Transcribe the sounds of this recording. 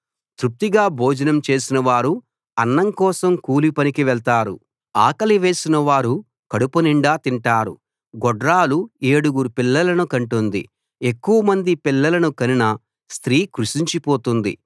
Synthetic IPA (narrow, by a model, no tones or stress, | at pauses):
t̪ɾup̚t̪iɡaːbʱo̞ːd͡ʒɐnɐmt͡ʃe̞ːsinɐʋaːɾu | ɐnːɐŋkɔːsɐmkuːlipɐnikiʋɛɭt̪aːɾṵ | aːkɐliʋe̞ːsinɐʋaːɾu | kɐɽupɐniɳɖaːt̪iɳʈaːɾṵ | ɡɔɖɾaːlueːɽuɡuɾupilːɐlɐnukɐɳʈund̪ḭ | ekːuwɐmɐnd̪ipilːɐlɐnukɐninɐ | st̪ɾiːkɾuʃiɲt͡ʃipo̞ːt̪und̪ḭ